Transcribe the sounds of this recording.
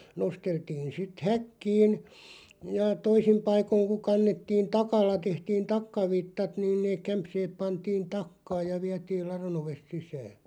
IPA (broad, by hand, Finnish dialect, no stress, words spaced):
nosteltiːn̞ sit hækːiːn jɑ toisim pɑikoĭŋ ku kɑnːetːiːn tɑkɑlːɑ tehtiːn tɑkːɑʋitːɑt nĭn neːk̆ kæmpseːp̆ pɑntiːn tɑkːɑːj jɑ ʋiætiːl lɑron oʋest sisæː